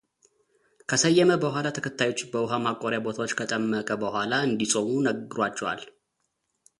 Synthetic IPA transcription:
kʰəsəjːɛməbəhʷalat̪ʰəkʰət̪ʰːajo̞t͡ʃːbəwʊɦamakʼoɾjabo̞t̪ʰawot͡ʃːkʰət̪ʼəmːəkʼəbəhʷalaɨnd̪isʼomunəɡɨɾat͡ʃːɛwa̰l

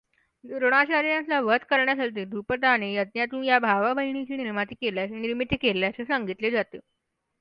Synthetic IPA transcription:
d̪ɾoɽ̃at͡ɕaɾjãt̪laʋət̪kəɾɳjat̪ʰalt̪iːd̪ʱupət̪anejət̪njat̪ũːnjabʱaʋabʱəiɳ̃it͡ɕiːniɾmat̪iːkeljaseniɾmit̪ʰːkeljasesəŋɡit̪led͡zat̪e

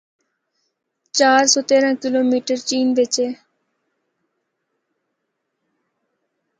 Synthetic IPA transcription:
t͡ʃaːɾsɔːt̪eːɾãːkɪloːmiːʈəɾt͡ʃiːnbet͡ʃeː

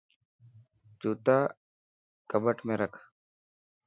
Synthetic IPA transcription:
t͡ʃuːt̪aː | kəbəʈmẽːɾəkʰ

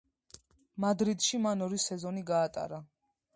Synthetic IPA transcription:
mad̪ɾid̪ʃimanɔɾisɛzɔniɡaːt̪ʼa̰ɾa

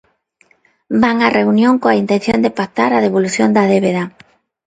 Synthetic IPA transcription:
baŋareunjõŋkoaint̪en̟θjond̪epat̪aɾað̞eβoluθjond̪aðeβeða

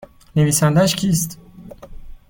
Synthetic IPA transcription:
neviːsænd̪æʃcʰiːst̪

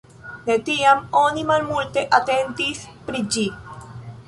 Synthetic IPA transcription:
net̪iamonimalmult̪eʔat̪ent̪ispɾid͡ʒi

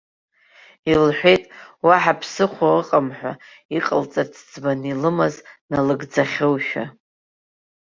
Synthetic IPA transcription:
ilħʷᶣe̞jtʼwaħapʰsɨχʷaɨqʼamħʷᶣa̰ | iqʼəlt͡sʼat͡sʰd͡zbanilɨmaznalɨɡd͡zaχʲowʃᶣa̰

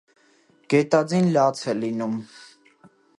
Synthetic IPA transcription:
ɡ̥ɛt̪ɑd͡zinlɑt͡sʰɛlinum

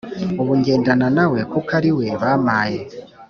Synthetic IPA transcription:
uβuɲɡe̞ːndananawe̞kukaɾiwe̞βaːmaːje

